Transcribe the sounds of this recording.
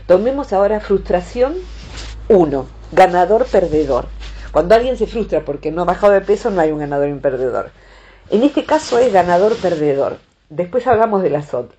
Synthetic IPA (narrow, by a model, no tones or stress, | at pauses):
t̪o̞me̞mo̞saoɾafɾust̪ɾasjo̞n | uno | ɡanaðo̞ɾpeɾðeðo̞̰ɾkwand̪oalɣje̞nse̞fɾust̪ɾapo̞ɾkenoaβaxaðoðepesonoajuŋɡanað̞o̞ɾimpeɾðeðo̰ɾ | enest̪ekaso̞ezɣanaðo̞ɾpeɾðeðo̞̰ɾ | d̪espwe̞saβlamo̞zðe̞lasot̪